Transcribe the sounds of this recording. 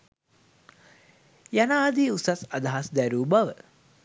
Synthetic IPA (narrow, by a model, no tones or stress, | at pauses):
janaːd̪iusasad̪aɦasd̪æɾuːbaʋə